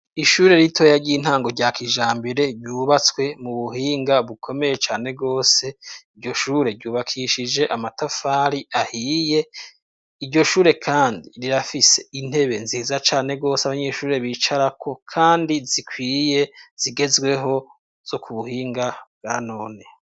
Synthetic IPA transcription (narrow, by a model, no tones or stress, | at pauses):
iʃuːɾe̞ɾitʰo̞jaɾɟiin̥haːŋɡo̞ɾɟaːkʰiːʒaːmbeɾe̞ɾɟuːβat͡swe̞muβuɦiːŋɡaβukʰo̞me̞je̞t͡ʃaːne̞ɡo̞ːse̞iɾɟo̞ʃuːɾe̞ɾɟuːβakʰiʃid͡ʒe̞ʔamatafaːɾiahiːje̞ | iɾɟo̞ʃuːɾe̞kʰaːndiɾiɾafise̞in̥he̞βe̞nziːzat͡ʃaːne̞ɡo̞ːsaβaɲe̞ʃuːɾe̞βiːt͡ʃaɾakʰo̞kʰaːndizikʰwiːje̞z̥iɡe̞zɡwe̞ɦo̞ | z̥o̞kuβuhiːŋɡab̚ɡ̥aːno̞ːne̞